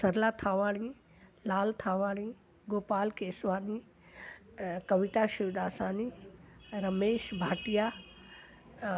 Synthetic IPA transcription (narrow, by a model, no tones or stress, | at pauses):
sɐɾlat̪ʰaːʋaːɽ̃i | laːlt̪ʰaːʋaːɽ̃i | ɡoːpaːlkeːsʋaːni | kɐʋiʈaʃɪʋɗaːsaːni | ɾɐmeːʃbʱaːʈija